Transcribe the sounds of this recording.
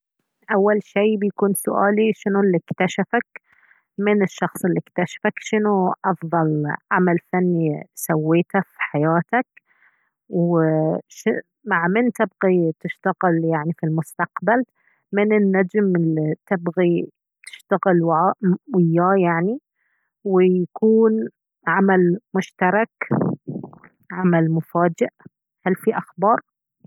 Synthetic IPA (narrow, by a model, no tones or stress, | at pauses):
ʔawːalʃiːbjakuːnsʊ̰ʔaːliʃɪnulːikt̪aʃafak | mɪnɪʃːɑxsˤɪlːikt̪aʃḁfakʃɪnuʔɑfðˤɑlʕamalfanːisawːeːt̪afi̥ħajaːt̪ak | w | ʃɪ | maʕmɪnt̪ɪbɣit̪ɪʃt̪aɣɪljaʕnifilmʊst̪aqbal | mɪnɪnːad͡ʒmɪlit̪ɪbɣi | t̪ɪ̥ʃt̪aɣɪlwaʕaːʔwɪjːaːjaʕni | wɪjakuːn | ʕamalmʊʃt̪ɑɾˤɑk | ʕamalmʊfaːd͡ʒɪʔ | halfiʔaxbɑːɾˤ